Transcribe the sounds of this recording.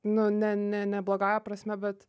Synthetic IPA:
nʊnʲɛnʲɛnʲɛblˠoɡɑːjɛpɾɐsʲmʲɛbʲɛt̪

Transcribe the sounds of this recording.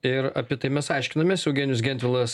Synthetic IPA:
ɪɾɐ̰pʲiɛt̪ɐɪmʲɛsɑɪʃʲkʲɪnɐmʲeːsɛʊɡʲeːnʲjʊsɡʲɛnʲt̪ʲʋʲɪlˠɐs

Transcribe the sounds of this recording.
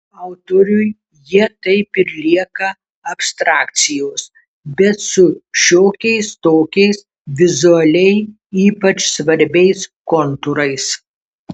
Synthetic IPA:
ɑˑʊt̪oːɾʲʊj | jiɛt̪ɐɪpɪɾlʲiɛkɐ | ɐpst̪ɾɑːkt̪sʲɪjoːs | bʲɛt̪sʊʃʲoːkʲɛɪst̪oːkʲɛɪs | ʋʲɪzʊɐlʲɛɪ | iːpɐt͡ʃsʋɐɾʲbʲɛɪskɔnt̪ʊɾɐɪs

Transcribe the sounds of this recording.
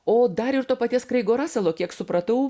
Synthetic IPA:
oːd̪ɐɾɪrt̪oːpɐt̪ʲiɛskɾɐɪɡoːɾɑːsʲɛlˠoːkʲiɛksʊpɾɐt̪ɐʊ

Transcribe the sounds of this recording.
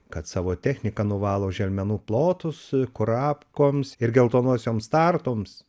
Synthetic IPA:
kɐt̪sɑːʋoːt̪ʲæːxʲnʲɪkɐnʊʋɑːlˠoːʒʲɛlʲmʲɛnuːplˠoːt̪ʊskʊɾɑːpkoːmsɪɾɡʲɛlˠt̪oːnuɔsʲoːmst̪ɑrt̪oːms

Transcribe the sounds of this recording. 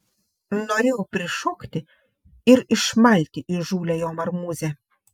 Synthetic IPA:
noɾʲeːjɛpʲɾʲɪʃɔkt̪ʲɪ | ɪɾɪʃmɐlʲt̪ʲɪʔiʒuːlʲɛjoːmɐɾmuːzʲɛ

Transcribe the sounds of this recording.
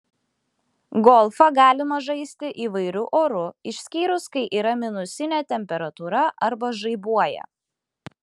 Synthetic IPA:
ɡɔlˠfɐɡɑːlʲɪmɐʒɐɪsʲt̪ʲɪʔiːʋɐɪɾʲʊʔoːɾʊɪʃʲsʲkʲiːɾʊskɐɪʔiːɾɐmʲɪnʊsʲɪnʲɛˑt̪ʲɛmʲpʲɛɾɐt̪uːɾɐʔɐɾbɐʒɐɪbuɔjɛ̰

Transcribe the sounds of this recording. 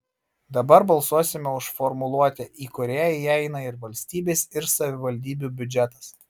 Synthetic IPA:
d̪ɐbɐɾbɐlˠsuɔsʲɪmʲɛʊʃfɔɾmʊlˠuɔt̪ʲɛʔiːkʊɾʲæːjjɛɪnɐɪɾʋɐlʲsʲt̪ʲiːbʲeːsɪɾsɐʋʲɪʋɐlʲd̪ʲiːbʲuːbʲʊd͡ʒʲɛt̪ɐ̥s

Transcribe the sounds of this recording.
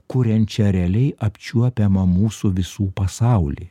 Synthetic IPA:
kʊɾʲɛnʲt͡ʃʲɛɾʲɛlʲɛɪʔɐpʲt͡ʃʲuɔpʲɛmɐmuːsʊʋʲɪsuːpɐsɑˑʊlʲḭ

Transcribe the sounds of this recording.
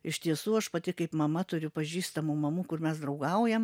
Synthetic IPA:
ɪʃʲt̪ʲiɛsuːɐʃpɐt̪ʲɪkɐɪpmɐmɐt̪ʊɾʲʊpɐʒʲiːst̪ɐmumɐmuːkʊrmʲɛsd̪ɾɐʊɡɐʊjɛm

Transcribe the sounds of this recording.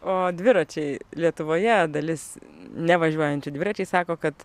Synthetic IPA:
oːd̪ʲʋʲɪɾɐt͡ʃʲɛɪlʲiɛt̪ʊʋoːjɛd̪ɐlʲɪsnʲɛʋɐʒʲuɔjɛnʲt͡ʃʲʊd̪ʲʋʲɪɾɐt͡ʃʲɛɪsɑːkoːkɐt̪

